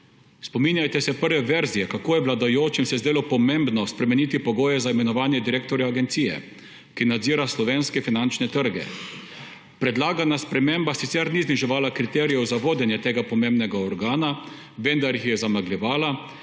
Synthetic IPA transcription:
spɔmiːnjajt̪ɛsɛpəɾʋɛʋɛɾzijɛkakoːjɛʋlad̪ajoːt͡ʃimsɛzd̪eːlɔpɔmeːmbnɔspɾɛmɛniːt̪ipɔɡoːjɛzaimɛnɔʋaːnjɛd̪iɾeːk̚t̪ɔɾjaːɡɛnt̪siːjɛ̰ | kinad̪ziːɾaslɔʋenskɛfinant͡ʃnɛt̪əɾɡɛ̰ | pɾɛd̪laːɡanaspɾɛmembasit̪sɛɾnizniʒɛʋaːlakɾit̪ɛːɾijɛwzaʋoːd̪jɛnjɛt̪eːɡapɔmeːmbnɛɡaɔɾɡaːna | ʋɛnd̪aɾjixjɛzamaɡlʲɛʋaːla

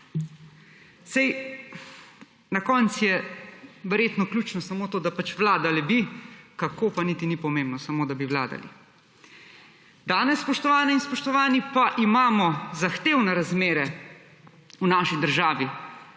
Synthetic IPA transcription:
sɛj | nakɔːnt̪sjɛ | ʋɛɾjeːt̪nɔklʲuːt͡ʃnɔsamoːt̪oːd̪apat͡ʃʋlaːd̪alibikakoːpanit̪inipɔmẽmbnɔsamoːd̪abiwlaːd̪a̰lḭ | d̪aːnɛsːpɔʃt̪ɔʋaːnɛinspɔʃt̪ɔʋaːnipaʔimaːmɔzaxt̪eːwnɛɾazmeːɾɛ | unaːʃid̪əɾʒaːʋi

